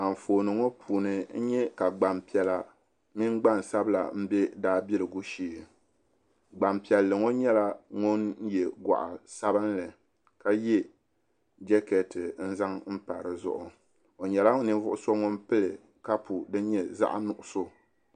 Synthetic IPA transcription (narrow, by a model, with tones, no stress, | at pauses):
a˨m˨foː˨nɨ˨ŋo˦pʰuː˨nɨ˨n̩˦ɲɛ˦ka˨ɡ͡ba˨mpi˨ɛ˨la˨ | mi˦ŋɡ͡ba˦n˨sa˦bɨ˦la̰˨m̩˦bɛ˦daː˦bi˦lɨ˨ɡu˦ʃiː˦˨ | ɡ͡ba˨mpi˨ɛ˨lːɨ˨ŋo˦ɲɛ˦la˦ŋʊ˦n˦jɛ˨ɡʷa̰˨ʔa˨sa˦bɨ˦nlɨ˨ | ka˦jɛ˦ | d͡ʒɛ˦kɛ˨tɨ˨n̩˦za˦ŋm̩˦pa˨ɾɨ˨zʊ̰˦ʔʊ˨ | o˨ɲɛ˨la˦ŋ˦ni˦vʊ˦ʔʊ˦so˦ŋo˦npɨ˦lɨ˨ | ka˦pʰu˨dɨ˦ɲɛ˨za̰˦ʔa˦nʊ˨ʔʊ˨so˦